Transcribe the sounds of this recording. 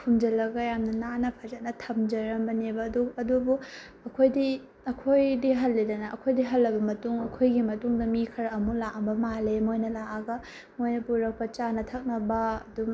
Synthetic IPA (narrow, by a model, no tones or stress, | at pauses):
pʰumd͡ʒɐlɐɡɐjamnɐnanɐpʰɐzɐt̚nɐtʰɐmd͡ʒɐɾɐmbɐnebɐːduɐdubu | ɐkʰojdi | ɐkʰojdiɦɐlːidɐnɐʔɐkʰojdiɦɐlːɐbɐmɐtuŋɐkʰojɡimɐtuŋdɐmikʰɐɾɐmulaʔɐmbɐmalemojnɐlaʔaɡɐ | mojnɐpuɾɐk̚pɐt͡ʃanɐtʰɐk̚nɐbɐɐdum